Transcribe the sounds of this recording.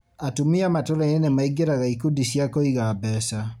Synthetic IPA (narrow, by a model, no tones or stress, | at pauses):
atumiamatoɾaeenemaiɡeɾaɣaikudisjakoiɣabɛsa